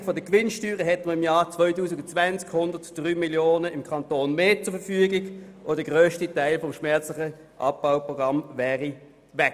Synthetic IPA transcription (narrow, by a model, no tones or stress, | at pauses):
fɔdəkʋɪnʃtyːʁəɦɛtməɪmjɑːt͡svɔʏtuːsɪɡʊnt͡svænt͡skhʊndətd̥ʁyːmiljoːnəɪmkʰɑntoːnmeːt͡sʊɐfəfyːəɡɪɡ | od̥əɡʁøːʃtitaɪlfɔmʃmɛɐt͡slɪχə | ʔɑ̰p̚b̥aʊpʁɔɡʁɑmvɛːʁi | vɛk